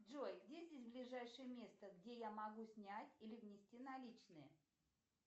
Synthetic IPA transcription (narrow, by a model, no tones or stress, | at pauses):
dʐojɡdʲezʲdʲesʲblʲɪʐajʂɨjəmʲe̞st̪əɡdʲe̞jamɐɡusʲnʲætʲilʲɪvnʲɪsʲtʲinɐlʲit͡ɕnɨjə